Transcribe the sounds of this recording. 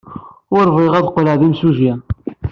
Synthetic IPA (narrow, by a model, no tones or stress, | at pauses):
ʊɾviʁæðqləʕðimsuʒjæ